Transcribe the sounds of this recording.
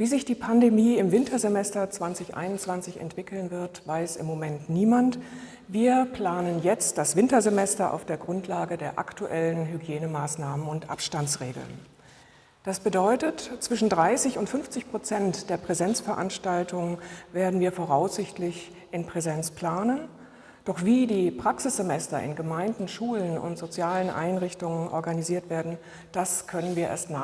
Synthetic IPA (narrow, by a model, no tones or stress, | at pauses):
viːzɪçd̥iːpʰandemiːɪmvɪntʰɐzemɛstɐt͡sv̥ant͡sɪçʔa̰ɪnʊnt͡sv̥ant͡sɪçɛ̰ntv̥ɪkl̩nvɪɐtv̥aɪsɪ̰mːomɛntniːmant | viːɐpl̥aːnənjɛt͡st̚d̥asv̥ɪntɐzemɛstɐʔa̰ʊfd̥eːɐɡʁʊntʰlaːɡədeːɐʔa̰ktuʔɛlənɦyɡjeːnəmaːsnaːmənʊntʔa̰pʃtant͡sʁeːɡl̩n | d̥asb̥ədɔʏtətt͡sv̥ɪʃn̩dʁaɪsɪçʊntfʏnft͡sɪçpʁ̥ot͡sɛntd̥eːɐpʁ̥ɛzɛnt͡sfɛɐʔa̰nʃtaltʰʊŋənveːɐdn̩viːɐfoːʁaʊsz̥ɪçtlɪç | ʔɪnpʁ̥ɛzɛnt͡spl̥aːnən | d̥ɔχv̥iːdiːpʁ̥aksɪsz̥emɛstɐɪ̰nɡəmaɪndn̩ʃuːlənʊ̰ntz̥ot͡sjaːlənʔa̰ɪnʁɪçtʊŋənʔɔ̰ɐɡaniziːɐtv̥eːɐdn̩ | d̥askʰœnənviːɐʔḛːɐstna